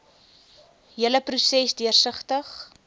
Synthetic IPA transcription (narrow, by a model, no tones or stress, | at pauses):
ɦiələprusɛsdiərsəχtəχ